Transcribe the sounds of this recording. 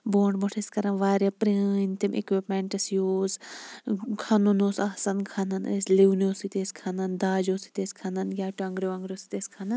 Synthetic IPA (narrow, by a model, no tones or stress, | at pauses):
boːɳɖboʈʰeskɐɾɐnʋaːɾjɐpɾint̪imʔḛkʋipmeɳʈɐsjoːs | kʰɐnonoːsɐhsɐnkʰɐnɐnɐ̰sliwnoːsit̪eːskʰanɐnd̪aːd͡ʒoːsi̥t̪eːsʲkʰanɐnjʲaːʈɐŋɡɾʲjoɐŋɡɾjoːsi̥t̪eskʰanɐn